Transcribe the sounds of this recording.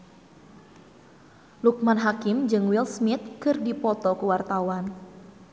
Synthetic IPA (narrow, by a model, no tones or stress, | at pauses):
luk̚manɦakɪmd͡ʒɨŋwilsmit̪̚kɨrdipɔt̪ɔkuwart̪awan